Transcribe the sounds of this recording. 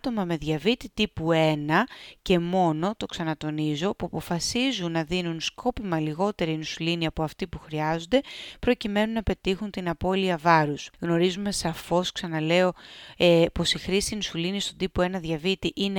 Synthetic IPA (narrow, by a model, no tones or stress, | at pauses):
t̪o̞mɐme̞ðʝɐvit̪it̪ipue̞nɐce̞mo̞no̞t̪o̞ksɐnɐt̪o̞nizo̞puɐpo̞fɐsizunːɐðinunskʰo̞pimɐliɣo̞t̪e̞ɾinusuliniɐpo̞ɐft̪ipuxɾiɐzo̞nd̪e̞pɾo̞cime̞nunɐpe̞t̪ixunt̪inɐpo̞liɐvɐɾusɣno̞ɾizume̞sɐfo̞sksɐnɐle̞o̞ | po̞sixɾisinusulinist̪od̪ipoe̞nɐðʝɐvit̪iʔine